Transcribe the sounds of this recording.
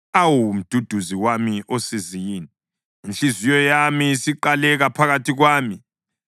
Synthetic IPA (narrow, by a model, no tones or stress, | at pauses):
awum̩d̥ʱud̥ʱuziwamiʔosizijiːniː | nɬizijɔjamisiǃalɛɣapʰaɣatʰiɣwaːmi